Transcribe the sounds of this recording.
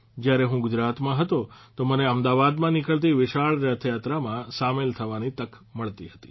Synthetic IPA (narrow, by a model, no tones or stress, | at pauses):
d͡ʒjaɾeɦũɡʊd͡ʒɾat̪mãɦət̪ot̪oməneəmd̪aʋad̪mãnɪkəɭt̪̬iʋɪʃaɭɾjat̪ʰjat̪ɾamãsamelt̪ʰəʋanit̪ək | məɭt̪iɦət̪i̥̰